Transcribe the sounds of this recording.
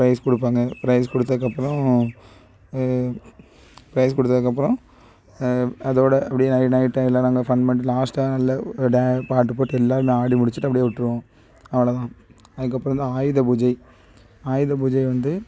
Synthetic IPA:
pɾɐɪskɔɽɯp̬ːaːŋɡɐpɾɐɪskɔɽɯt̪ːɐðɯkːɐpːɯɾɔ̃ | pɾɐɪskɔɽɯt̪ːɐðɯkːɐpːɯɾɔ̃ | ɐðoːɽɐʔɐpːɐɽɪjenɐɪʈnɐɪʈːɐlɐnaːŋɡɐfɐnɖmɛɳʈlaːsʈɐnɐlːɐɖɐpaːʈːɯpoːʈːɛlːaːɾɯmaːɽimʊɽɪt͡ʃːɯʈːɯɐpːɐɽɪjeːʊʈːɾɯʋõː | ɐʋɐɭɐt̪ãː | ɐðɯkːɐpːɾ̃ʋɐnd̪ɯaːjɯðɐbʊd͡ʒɐɪ | aːjɪðɐbʊd͡ʒɐɪʋɐnd̪ɯ

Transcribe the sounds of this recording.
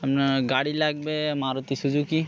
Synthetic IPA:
ɛmnaɡaɽilaɡ̚bemaɾot̪isuzuki

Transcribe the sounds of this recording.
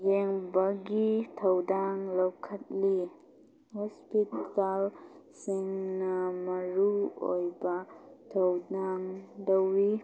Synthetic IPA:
jeŋbɐɡitʰɐwdaŋlɐwkʰɐt̚li | hɔspitalsiŋnɐmɐɾuo̰jbɐtʰɐwdaŋdɐwːi

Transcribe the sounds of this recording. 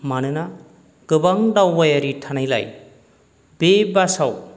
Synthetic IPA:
manɯna | ɡ̥ɯbaŋdawːajaɾitʰanajla̰j | bebasaw

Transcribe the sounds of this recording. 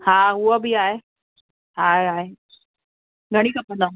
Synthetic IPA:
hãːɦuabʱiaːe | ɦaːeɦaːe | ɡʱɐɽ̃ikɐpːɐ̃nd̪ã

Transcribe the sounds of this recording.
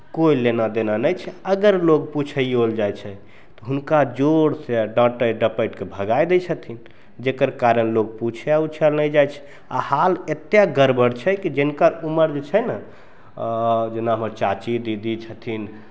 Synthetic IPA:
koilenad̪enanəjt͡ʃʰɛəɡəɾlok̚put͡ʃʰəiold͡ʒajt͡ʃʰɛ | t̪ɔɦunkad͡ʒoɽseɖãʈəɖəpəjʈkebʱəɡajd̪et͡ʃʰət̪ʰin | d͡ʒekəɾkaɾənlok̚put͡ʃʰeaut͡ʃʰəlnəd͡ʒajt͡ʃʰɛ̥ | a̰halet̪jaɡəɾbəɽt͡ʃʰɛkid͡ʒenkəɾuməɾd͡ʒet͡ʃʰəjnə | d͡ʒenaɦəməɾt͡ʃat͡ʃid̪id̪it͡ʃʰət̪ʰin

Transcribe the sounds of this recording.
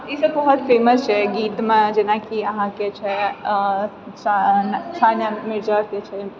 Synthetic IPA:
isəbbɐɦɔt̪feːməst͡ʃʰɛɡiːt̪mẽd͡ʒenakiəɦãket͡ʃʰɛ | t͡ʃt͡ʃʰanjəmɪɾd͡ʒaɾket͡ʃʰɛ

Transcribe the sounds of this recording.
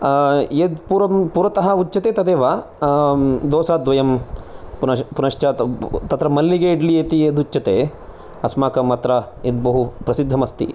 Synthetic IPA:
ed̪puɾɐmpuːɾɐt̪ɐɦɐut͡ʃːɐt̪eːt̪ɐd̪eːʋaː | d̪ɔːsaːd̪ʋɐjɐmpunɐpunɐʂt͡ʃat̪t̪ɐt̪ɾɐmɐlːiɡeiɖlieːt̪ieːd̪ut͡ʃːt͡ʃɐt̪eː | ɐsmaːkɐmɐt̪ɾɐ | ed̪̚bɐɦupɾɐsid̪ʱːɐmɐst̪ḭ

